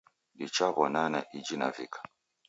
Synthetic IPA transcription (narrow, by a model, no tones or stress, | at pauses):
ɗit͡ʃaβɔnana̰ʔid͡ʒina̰vḭkʰḁ